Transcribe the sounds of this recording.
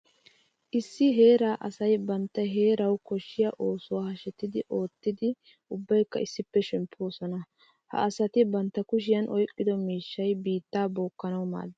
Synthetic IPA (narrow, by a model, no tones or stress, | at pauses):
ʔɪsːɪɦe̞ːɾaːʔɐsɐjbɐnt̪ːɐɦe̞ːɾɐwkɔʃːɪjɐʔo̞ːsʊwaːhɐʃɛt̪ːɪd̪ɪʔo̞ːt̪ːɪd̪ɪ | ʊbːɐjkːɐɪsːɪpːɛʃɛmpʰːo̞ːsɔnɐ | hɐ̰ːsɐt̪ɪbɐnt̪ːɐkʊʃ̬ɪjɐnʔɔjkʼːɪd̪ɔmiːʃːɐjbiːt̪ːaːbo̞ːkːɐnɐwma̰ːd̪